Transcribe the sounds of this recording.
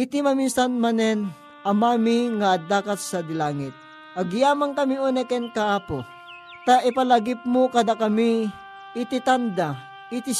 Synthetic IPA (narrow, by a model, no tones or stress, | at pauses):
ʔɪt̪imɐminsanmanɛn | ɐmaːmiŋɐd̪aːkɐt̪̚sɐd̪ɪlaːŋɪt̪̚ | ʔɐɡjaːmɐŋkɐmioːnɛkɛnkɐʔaːpo | t̪aʔɪpɐlaɡɪp̚mokɐd̪akɐmi | ɪt̪ɪt̪and̪a | ʔɪt̪i